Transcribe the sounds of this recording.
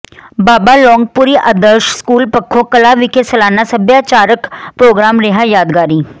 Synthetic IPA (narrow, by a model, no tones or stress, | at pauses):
baːbaːlɔːŋɡ̚puɾiːʔəd̪əɾʃskuːlpəkʰːõːkəlaːʋɪkʰesəlaːnaːsəbjaːt͡ʃaːɾəkpɾoːɡɾaːmɾɪɦaːjaːd̪ɡaːɾiː